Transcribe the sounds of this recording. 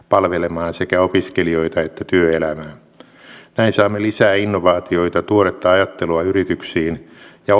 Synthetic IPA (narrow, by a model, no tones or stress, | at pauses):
pɑlʋelemɑːnsekæopiskelioit̪ɑet̪ːæt̪yøelæmæː | næinsɑːmːelisæːinːoʋɑːt̪ioit̪ɑt̪uoɾet̪ːɑɑjɑt̪ːeluɑyrit̪yksiːnjɑ